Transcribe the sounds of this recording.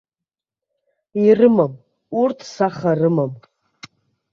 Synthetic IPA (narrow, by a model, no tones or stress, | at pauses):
irɨmam | urtʰsaχarɨmam